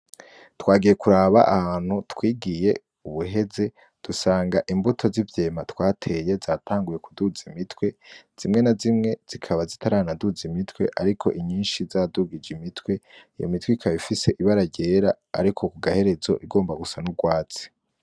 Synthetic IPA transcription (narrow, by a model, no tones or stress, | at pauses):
twaːɡije̞kuɾaːβaʔahaːn̥hutwiːɡije̞ | uβuɦe̞ze̞ | d̥usaːŋɡaʔimbutʰo̞zivje̞ːmatwaːtʰe̞je̞zaːtʰaːŋɡuje̞kuduzimitwe̞z̥imŋe̞nazimŋe̞z̥ikʰaβazitʰaɾaanaduzimitwe̞̰ʔaɾikʰo̞̰ʔiɲiːnʃizaduɡid͡ʒimitwe̞ijo̰mitwiikʰaβifise̞ʔiβaɾaɟe̞ːɾa | a̰ɾikʰo̞kuɡahe̞ɾe̞zo̞̰ʔiɡo̞ːmbaɡusanuɡwaːt͡si̥